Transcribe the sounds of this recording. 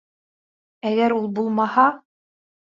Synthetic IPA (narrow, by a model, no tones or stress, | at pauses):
æɡæɾulˠbulˠmɑhɑ